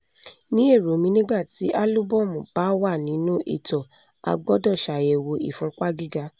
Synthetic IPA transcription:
nĩ˨˦e˦˨ɾo˨˦mĩ˧nĩ˦ɡ͡ba˦˨ti˨˦ʔa˦lu˦bɔ˦˨mõ˨b̥a˨˦wa˦˨nĩ˨˦nũ˦ʔḭ˦˨tɔ˨ | a̰˧ɡ͡bɔ˦dɔ˦˨ʃa˨jɛ˨wo˧ḭ˨fɔ̃˧ɾk͡pa˦ɡi˦˨ɡa˧˦

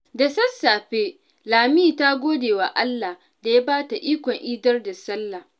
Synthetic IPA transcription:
dɐ˨sɐ˦sːaː˨ɸeː˦ | laː˨miː˦ta˦ɡʷoː˦deː˨wa˨ʔa˦lːa˨h | da˨ja˦baː˦ta˨ʔiː˦kʷɔ˨ŋʔiː˦dɐ˦rda˨sɐ˦lːa˨

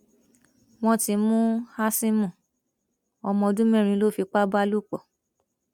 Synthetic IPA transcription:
w̃ɔ̃˧˦ti˧mũ˦ha˦sĩ˦mũ˦˨ | ɔ˧mɔ̃˧dũ˦mɛ̃˦˨ɾ̃ĩ˧˦lo˦˨fi˧k͡pa˦ba˦lu˦˨k͡pɔ˨

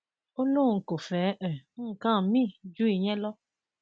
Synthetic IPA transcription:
o˦lũ˦˨ŋ̩˨ko˨fɛː˨˦ʔɛ˨˦ŋ̩˨kã˦˨mĩ˦˨d͡ʒu˦i˨ɲɛ̃˦lɔ˦

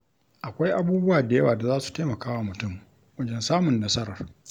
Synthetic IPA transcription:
ʔa˨kʷa˦jʔa˦buː˦bʊ˦waː˨da˨jɐ˦waː˨da˨zaː˦su̥˨teː˦mɐ˨kaː˦wa˦mʊ˨tʊ˦˨m | wɐ˦d͡ʒɛ˦nsaː˦mʊ˨nːɐ˦sɐ˦ɾɐ˨r

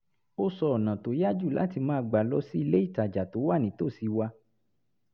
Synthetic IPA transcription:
o˦sɔ˧ɔ˨nã˨to˨˦ja˦d͡ʒu˦˨la̰˨˦ti˧mãː˨˦˧ɡ͡ba˨lɔ˧˦si˦i˧le˦i˦˨ta˨d͡ʒa˨to˨˦wa˦˨nĩ˨˦to˦˨si˧wa˧

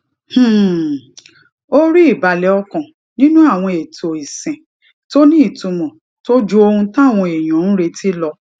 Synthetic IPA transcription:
h̩˦˨ | o˦ɾi˦i˦˨ba˨lɛ˨˦ɔ˧kɔ̃˨ | nĩ˦nũ˦a˦˨w̃ɔ̃˧e˨to˨i˨sɛ̃˨ | to˦nĩ˦i˦˨tũ˨˧mɔ̃˨ | to˦d͡ʒu˧o˧hũ˧tã˦˨w̃ɔ̃˧e˨j̃ɔ̃˨˦ñ̩˦ɾe˧ti˦lɔ˧

